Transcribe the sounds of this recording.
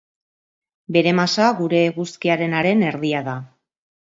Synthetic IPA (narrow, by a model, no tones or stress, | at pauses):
be̞ɾe̞masaɣuɾe̞ɣuskiaɾe̞naɾe̞ne̞ɾðiaða